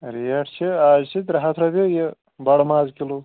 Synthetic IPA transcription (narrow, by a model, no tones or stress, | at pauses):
ɾijɐʈʰt͡ʃʰiaːzt͡ʃʰid̪ʲɾɐɦɐt̪ʰɾɐbʲeje | bɐɽmaːzkilo